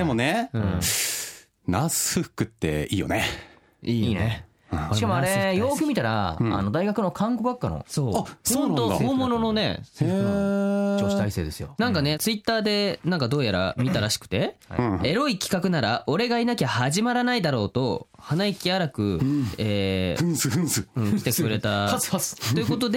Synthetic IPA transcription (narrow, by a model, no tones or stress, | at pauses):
d̪emoneɯɯ̃ | nasɨ̥hɯkːɯ̟t̪ːe̞̰iːjo̰ne | iːne | ɕikamoaɾe̞jo̞ːkʲɯmit̪aɾa̰a̰no̞d̪aiɡakɯ̟no̞kʰãŋɡoɡakːano̰soːaont̪ooːmono̞no̞ne̞̰ | oɕi̥t̪aise̞ːd̪e̞sɨjo̰nãŋkane̞t͡sɨit̪ːaːd̪e̞nãŋkad̪o̞ːjaɾa̰mʲit̪aɾaɕi̥kɯ̟t̪e̞e̞ɾo̞ikʲi̥kakɯ̟naɾaʔo̞ɾe̞ɡainakʲahaʑimaɾanaid̪aɾo̞ːt̪o̞hanaikʲiaɾakɯ̟eːɯsɯ̃ɯ̟̃kʲit̪e̞kɯ̟ɾe̞t̪ast̪oiɯ̟ko̞t̪̬o̞d̪e̞